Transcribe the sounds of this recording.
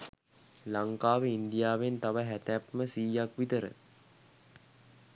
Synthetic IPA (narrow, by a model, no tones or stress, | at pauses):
laŋkaːʋəind̪ijaːʋent̪aʋəɦæt̪æpməsiːjakʋit̪əɾə̰